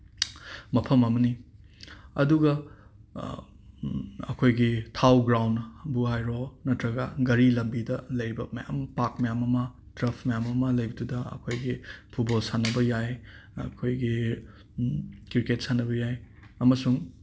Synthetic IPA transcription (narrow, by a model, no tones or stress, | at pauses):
mɐpʰɐmɐmɐni | ɐduɡɐ | ɐ̰kʰojɡitʰawɡɾawnbuɦajɾonɐtɾɐɡɐɡɐɾilɐmbidɐlɐjbɐmɐja̰mpakmɐjamɐmɐ | tɾɐpʰmɐjamɐmɐlɐjbɐdudɐɐ̰kʰojɡipʰut̚bolsanɐbɐjajɐkʰojɡi | kiɾket̚sanɐbɐjaj | ɐmɐsuŋ